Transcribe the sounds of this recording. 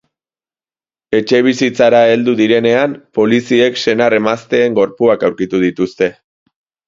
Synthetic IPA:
e̞t͡ʃe̞β̞isit͡saɾae̞ld̪uðiɾe̞ne̞ampo̞lisie̞kse̞nare̞mast̪e̞ːŋɡo̞ɾpuakawɾkit̪uð̞it̪ust̪e̞

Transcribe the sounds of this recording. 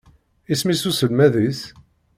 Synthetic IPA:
ismisusəlmæðis

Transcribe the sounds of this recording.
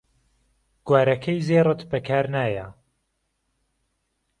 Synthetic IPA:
ɡ̥waːɾɐkʰɐjzeːrˤɨt̪bɐkʰaːɾnaːjɐ

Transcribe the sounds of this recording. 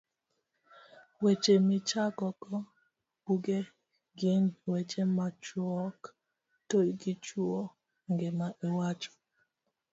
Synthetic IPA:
wet͡ʃemɪt͡ʃakɔkɔ | buɡe | ɡɪnwet͡ʃemat͡ʃɔk | tolɡit͡ʃwuo | ŋɡemaʔewat͡ʃɔ̥

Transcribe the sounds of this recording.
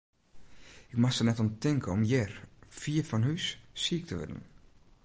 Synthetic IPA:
ɪkmaxsənɛtɔntɪŋkʰəɔmjɛrfiəfɔnhyssiək̚tʰəʋɪ̰də̰n

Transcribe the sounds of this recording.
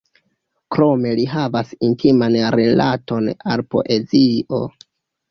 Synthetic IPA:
kɾo̞me̞liɦavasintʰimanɾilato̞na̰lpo̞̰ʔe̞ziʔo̞

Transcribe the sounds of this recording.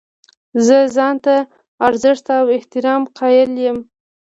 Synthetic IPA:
zəzɑnt̪a | aɾzɪʂt̪awɪht̪ɪɾɑmqʰɑjɪljəm

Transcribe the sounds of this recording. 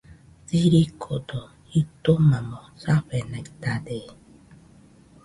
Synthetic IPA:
t͡siɾikʰod̪o | it̪omamosaɸenait̪ad̪e

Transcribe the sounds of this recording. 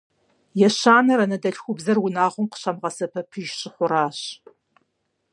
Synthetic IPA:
jɛɕaːnɐɾɐnɐdɐɬxʷʊbzɐrwʊnaːʁʷʊmqə̥ɕɐmʁɐsɐpʰɐpʰɨʒɕɪχʷʊɾaːɕ

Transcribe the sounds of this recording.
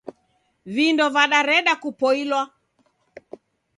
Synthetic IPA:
vindɔvaɗaɾɛɗakupɔilwa

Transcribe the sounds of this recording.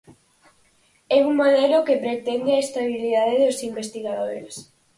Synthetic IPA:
ɛuŋmoðɛlokepɾet̪ɛnd̪ɪaest̪aβiliðaðeðosimbest̪iɣaðoɾes

